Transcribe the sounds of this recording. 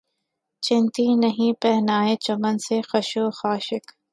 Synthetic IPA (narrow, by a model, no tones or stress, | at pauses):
t͡ʃɪ̃nt̪inɐɦĩpɛɦnaːet͡ʃɐmənsexɐʃoːxaːʃɪk